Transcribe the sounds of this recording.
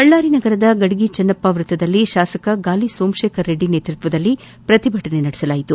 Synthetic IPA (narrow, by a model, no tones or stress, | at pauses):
ɦɐɭːaːɾinɐɡɐɾɐd̪ɐɡɐɽiɡit͡ʃɐnːɐpːaːʋɾut̪ːɐd̪ɐlːiʃaːsɐkɐɡaːlisoːmʃeːkʰɐɾːe̞ɖːine̞ːt̪ɾut̪ʋɐd̪ɐlːi | pɾɐt̪ibʱɐʈɐne̞nɐɽisɐlaːjit̪u